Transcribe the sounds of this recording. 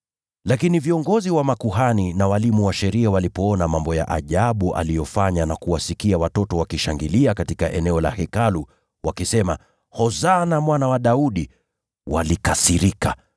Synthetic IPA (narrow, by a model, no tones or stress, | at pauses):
lakiniviɔŋɡɔziwamakuɦaninawalimuwaʃɛɾiawalipɔɔnamambɔja̰ʔaʄaɓuʔa̰lijɔfaɲanakuwasikiawatɔtɔwakiʃaŋɡiliakatikaʔɛnɛɔla̰hɛkalu | wakisɛma̰ | hɔzanamwanawaɗauɗi | wa̰likasiɾika̰